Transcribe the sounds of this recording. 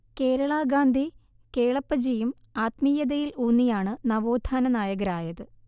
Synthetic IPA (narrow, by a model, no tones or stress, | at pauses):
ke̞ːɾɐɭaːɡaːnd̪ʱi | ke̞ːɭɐpːɐd͡ʑijum | aːt̪mijɐðɐjiluːnːijaːɳɨnɐʋoːd̪ʱaːnɐnaːjɐɣɐɾaːjɐðɨ